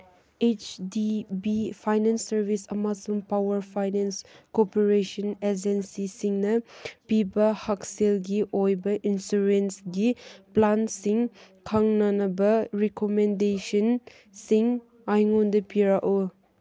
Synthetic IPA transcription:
et͡ʃdibifʰajnɛnsːɐɾbisɐmasɔmpawɐɾpʰajnenskopeɾeʃɔned͡ʒensisiŋnɐpibɐhakselɡiʔojbɐʔinsuɾensɡiplansiŋkʰaŋnanɐbɐɾekomendesɐn | siŋ | ajŋundɐpiɾaʔo

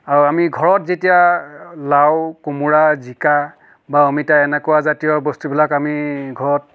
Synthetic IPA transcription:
aɹuamiɡʱɔɹɔtzetijalawkumuɹazika | baɔmitaɛnɛkɔwazatijɔbɔstubilakamiɡʱɔɹɔt̚

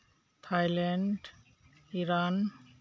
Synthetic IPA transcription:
t̪ʰajlɛɳɖ | iɾan

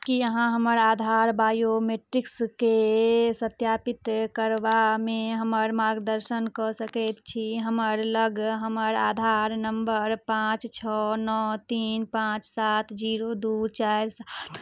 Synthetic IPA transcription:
kiəɦãɦəməɾad̪ʱaɾbajomeʈɾikskesət̪japit̪kəɾbameɦəməɾmaɾɡd̪əɾʃənkɔsəkɛt̪t͡ʃʰiɦəməɾləɡɦəməɾa̰d̪ʱaɾnəmbəɾpãt͡ʃt͡ʃʰɔnɔt̪inpãt͡ʃsat̪ʰd͡ʒiɾod̪ut͡ʃaɾsat̪ʰ

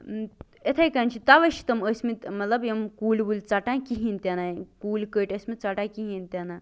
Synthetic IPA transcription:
et̪ʰajkant͡ʃʰit̪aʋəʃi̥t̪ɐməsʲmit̪mɐt̪lɐbjemkuːlbult͡saʈãkiɦint̪ʲanakuːlkəʈəsʲmit̪t͡saʈãkiɦĩnt̪ʲjana

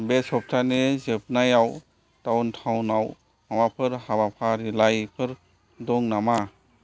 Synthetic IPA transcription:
besɔp̚tʰanezep̚najaw | tawntʰawnaw | mawapʰɯɾhabapʰaɾilajpʰɯɾ | dɔŋnama

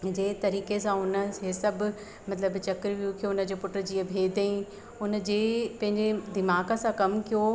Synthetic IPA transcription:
d͡ʑeːt̪ɐɾiːkesãʊnə̆sesɐbʱʊ̆ | mɐt̪ləbt͡ɕɐkɾʋijũkʰijoʊnə̆d͡ʑeːpʊʈɾd͡ʑiːə̃bʱeːd̪əĩ | ʊnəd͡ʑeːpɐ̃ɦɪ̃ɲd͡ʑed̪ɪmaːɡəsãkɐmkʰijo

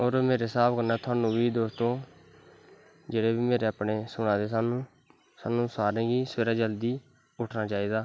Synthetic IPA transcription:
oːɾmeːɾeːsaːpkəɾnaːt̪ʰʊaːnũːbiːd̪oːst̪õː | d͡ʒeːɽeːbiːmeːɾeːaːpɳeːsʊɽ̃ãːd̪eːsaːnũː | saːnũːsaːɾẽːɡiːsəeːɾaːd͡ʒəld̪iː | ʊʈʰnaːt͡ʃaːiːd̪aː

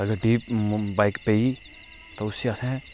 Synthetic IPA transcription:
ɐɡəɾɖiːpbaɪkpei | t̪oʊsːiasẽɛ̃

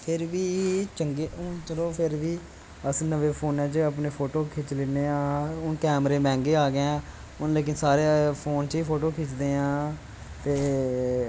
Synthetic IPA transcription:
pʰɪɾʋiːt͡ʃəŋɡeːʊt͡ʃəloːpʰɪɾʋiː | əsnəʋeːpʰoːnɛ̃ːt͡ʃəp̬neːpʰoːʈoːkʰet͡ʃlɪneːãːʊnkɛːmɾeːmɛ̃ːŋɡeːaːɡeɛ̃ː | ʊnleːk̬ɪnsaːɾeːpʰoːnt͡ʃiːpʰoːʈoːkʰɪt͡ʃd̪eːãː | t̪eː

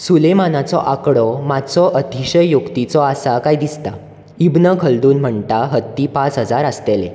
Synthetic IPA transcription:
sulemanat͡sɔ̰ʔakɽɔmat͡sɔʔət̪iɕəjjukt̪it͡sɔasakajd̪ist̪a | ibnəkʰəld̪uːnm̤əɳt̪aɦət̪ːiːpãt͡sɦəd͡zaɾəst̪elḛ

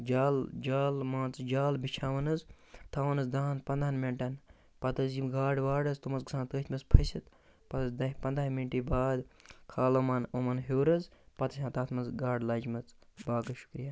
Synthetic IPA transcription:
d͡ʒaːld͡ʒaːlmãːnt͡sd͡ʒaːlbit͡ʃʰaːʋɐnɨz | t̪ʰaːʋɐnɨzd̪aːnpɐnd̪anmeɳʈɐn | pɐt̪ɐzjimɡaːɖʋaːɖɐzt̪umɐzɡsãːnt̪əːt̪ʰʲmɐzpʰɐsit̪ | pɐt̪ɐzd̪ɐɦʲpɐnd̪aːminʈiːbaːd̪kʰaːloːmaːnomɐnɦoːɾɐzpɐt̪ɐsʲãːt̪aːt̪ʰmɐzɡaːɖlɐːd͡ʒmɐt͡sbaːɡɐʃu̥kɾijaː

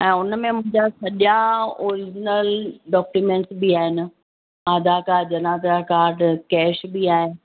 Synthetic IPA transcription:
ɛ̃ːʊnmẽmʊ̃ɦɪ̃ɲd͡ʑasɐʄaoːɾɪd͡ʑnəlɖɔːkjumẽːɳʈsbiaːɦɪnɪ̆ | aːd̪ʱakaːd͡ʑɐnaːd̪akaːɾɖkɛːʃbiaːɦe

